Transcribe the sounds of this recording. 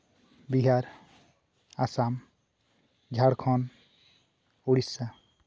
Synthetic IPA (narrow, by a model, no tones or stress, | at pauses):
biɦaɾ | asam | d͡ʒʱaɽkʰɔn | uɽisːa